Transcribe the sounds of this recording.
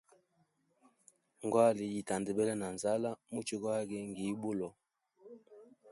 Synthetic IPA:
ŋ˨ɡwa˦li˨ji˨ta˨ndɛ˨bɛ˦lɛ˦na˨nza˦la˦mu˦t͡ʃi˦ka˦ɡɛ˦ŋɡi˨˦bu˦lɔ˨

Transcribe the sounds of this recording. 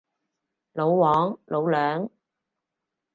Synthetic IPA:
lo˨˧wwɔː˨˥ŋlʔo˨˧wlœː˨˥ŋ

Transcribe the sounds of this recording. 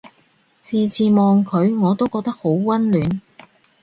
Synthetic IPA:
t͡siː˨˧t͡siː˨mɔː˨ŋkʰɵ˨˧ɥŋɔː˨˧t̪o˥wkɔː˧k̚t̪ɐ˥k̚ho˨˥wkwɐ˥nlyː˨˧n

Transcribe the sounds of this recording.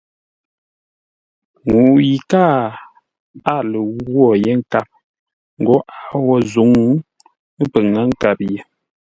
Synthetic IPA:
ŋu˨ʔji˨kaː˦˨ | a˦˨lə˨wwɔ˦˨jɛ˦ŋ˦ka˦˨p̚ | ŋ̩˨ɡɔ˨˦ʔa˦˨wɔ˦zu˨˦ŋu˦ | pə˨ŋa˦ŋ̩˦ka˨p̚jɛ˨

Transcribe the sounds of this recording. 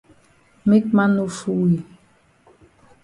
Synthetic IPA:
mi˦k̚ma˦nu˨fu˦wi˨

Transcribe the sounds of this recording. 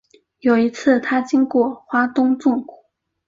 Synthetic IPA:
jo˨˩ʊi˧˥t͡sʰɹ̩˥˩t̪ʰa˥t͡ɕi˥ŋkwɔ˥˩xwa˥t̪ʊ˥ŋt͡sʊ˥˩ŋku˨˩˦

